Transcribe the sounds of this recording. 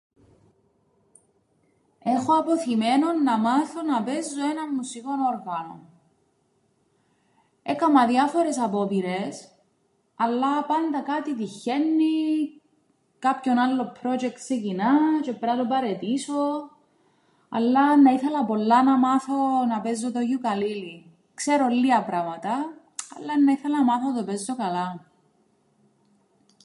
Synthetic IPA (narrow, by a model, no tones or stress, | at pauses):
exoɐpo̞θimenonːɐmaθo̞nɐpezːoenɐmmusiko̞noɾɣɐno̰n | ekɐmɐðjɐfo̞ɾe̞sɐpo̞piɾes | ɐlːɐpɐnd̪ɐkat̪it̪içenːi | kapçonalːo̞pɾod͡ʒek̚t̪secinat͡ʃepɾɐt̪opɐɾet̪iso | ɐ̰lːɐnːɐiθelɐpo̞lːɐnɐmɐθonɐpezːot̪oʝukɐlili | kseɾolːiɐpɾɐmɐt̪ɐ | ɐ̰lːɐnːɐiθelɐnɐmɐθonɐt̪o̞pezːokɐlɐ